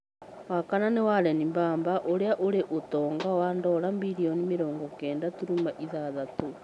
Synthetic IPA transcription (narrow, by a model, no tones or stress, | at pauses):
wakananewaɾɛnimbaːmbaʔoɾeaʔoɾeʔotɔːŋɡawaːndɔɾamiɾiɔnimeɾɔːŋɡɔkɛːndatuɾumaʔiðaðato